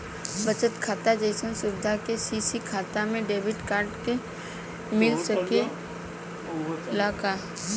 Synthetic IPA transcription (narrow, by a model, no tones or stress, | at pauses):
bət͡ʃət̪kʰaːt̪ad͡ʒəɪsənsʊbɪd̪ʱakesiːsikʰaːt̪amẽɖeːbɪʈkaːɾɖke | mɪlsəke | ɪlaːka